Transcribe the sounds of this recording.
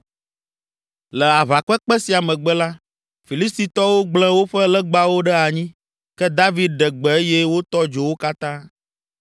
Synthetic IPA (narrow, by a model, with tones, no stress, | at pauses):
lɛ˨a˨βa˨kɛ˦k͡pɛ˦si˨a˨mɛ̃˨ɡ͡bɛ˦la˦ | fi˨li˦st̪i˨t̪ɔ˦wo˦ɡ͡bl̃ɛ̃˦wo˦ɸɛ˦lɛ˦ɡ͡ba˦wo˦ɖɛ˦a˨ɲĩ˦ | kɛ˦d̪a˦vi˦d̪̚ɖɛ˨ɡ͡bɛ˨e˦jɛ˦wo˦t̪ɔ˦d͡ʒo˨wo˦ka˦t̪ã˦